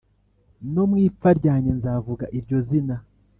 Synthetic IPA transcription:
no̞mŋiːp͡faɾɟaɲe̞nzavuɡaʔiɾɟo̞zina

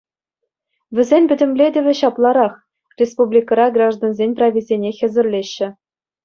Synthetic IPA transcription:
vʲɘ̆zʲenʲpʲɘ̆dʲɘ̆mlʲedʲɘ̆ʋʲɘ̆ɕɑplˠɑɾɑχ | rʲespublʲikɑɾɑɡrɑʐd̪onzʲenʲprɑizʲenʲexʲɘ̆zʲɘ̆rlʲeɕːɘ̆

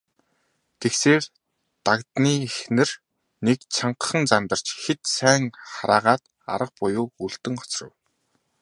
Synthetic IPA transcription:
t̪ʰekseːr | t̪akt̪niːxnɘ̆r | nekt͡ɕʰaɴqə̆χə̆nt͡samt̪ə̆r̥t͡ɕxet̪sæːŋχaɾaːʁaːt̪ | a̰ɾə̆q̚pʊjʊːuɮt̪ɘ̆ŋɔ̥t͡srə̆w

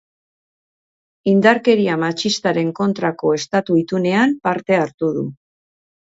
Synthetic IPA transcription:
ind̪aɾke̞ɾiamat͡ʃist̪aɾe̞ŋko̞nt̪ɾako̞e̞st̪at̪uit̪une̞ampaɾt̪e̞aɾt̪uð̞u

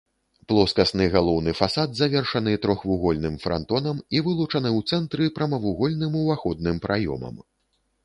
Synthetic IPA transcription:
plˠɔskɐsnɨɣalˠɔwnɨfasad̪zavʲɛrʂɐnɨt̪ɾɔxvuɣɔlʲnɨmfɾa̰nt̪ɔnɐmivɨlˠut͡ʂɐnɨwt̪sɛnt̪ɾɨpɾɐmɐvuɣɔlʲnɨmuvaxɔd̪̚nɨmpɾʔajɔ̰mɐ̰m

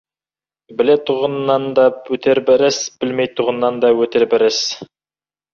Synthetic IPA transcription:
bɘ̆let̪uʁə̆nːɑnd̪ɑɵt̪ʰɘɾbɘɾɘsb̥ɘlmejt̪ʰuʁɤ̆nːɑnd̪ɑwɵt̪ɘɾbɘ̆ɾɘs

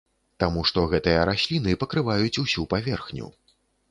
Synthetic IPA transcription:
t̪amuʂt̪ɔɣɛt̪ɨjɐɾasʲlʲinɨpɐkɾɨvajut͡sʲusʲupavʲɛrxnʲṵ

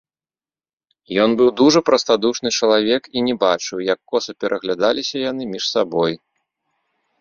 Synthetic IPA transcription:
jɔnbɨwd̪uʐɐpɾɐst̪ad̪uʂnɨt͡ʂɐlˠavʲɛkinʲɛbat͡ʂɨwjɐkːɔsɐpʲɛɾʔɐɣlʲad̪alʲisʲɐjanɨmʲiʂsabɔj

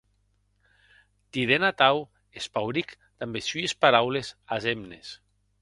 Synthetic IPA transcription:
t̪iðenat̪aw | espawɾik | d̪̥ambesyespaɾawlezazemnes

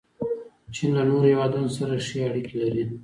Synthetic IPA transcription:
t͡ʃinlanoɾhewɑd̪ɑnosaɾaʃeaɽikelaɾi

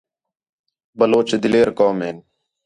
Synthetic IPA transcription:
bəloːt͡ʃd̪ɪleːɾkoːmeːn

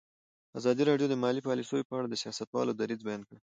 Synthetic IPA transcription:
azɑd̪iɾɑɖjod̪əmɑlipɑlisojopəaɽad̪əsijɑsat̪wɑ̰lod̪aɾizbajɑnkə

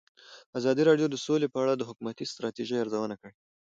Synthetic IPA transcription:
azɑd̪iɾɑɖjod̪əsolepəaɽad̪əɦʊkumat̪ist̪ɾɑt̪iʒejɑɾzawənakəɽ

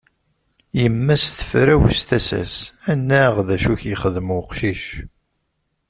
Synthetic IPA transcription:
jəmːæsθə̥fɾæwsθæsæ̰sænːæʁðæʃuçjəχəðmʊqʃiʃ

